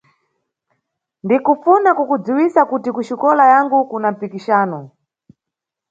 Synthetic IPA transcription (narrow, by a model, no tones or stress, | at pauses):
ndikufunakukud͡ziwisakutikuʃikɔlajaŋɡukunam̩pikiʃaːnɔ